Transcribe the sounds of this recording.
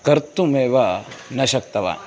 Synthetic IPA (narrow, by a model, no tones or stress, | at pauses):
kɐɾt̪umeːʋanɐʃɐk̚t̪ɐʋa̰ː